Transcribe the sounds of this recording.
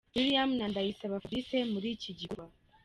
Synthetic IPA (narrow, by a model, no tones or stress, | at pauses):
wiɾijamnandajisaβafɾisemuɾiciɟikwa